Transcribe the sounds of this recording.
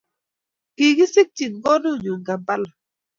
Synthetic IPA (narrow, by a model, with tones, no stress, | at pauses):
ki˨ɡi˦sɪ˦k̚t͡ʃi˨ŋ˦ɡɔ˦no˦˨ɲu˨ŋɡa˨ba˦la˨